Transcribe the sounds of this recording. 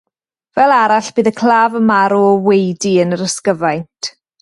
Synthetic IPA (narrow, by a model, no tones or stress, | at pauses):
vɛlˠaɾaɬb̥ɨːðəkʰl̥ˠaːvəmaɾuɔwejdiənəɾəskəvajntʰ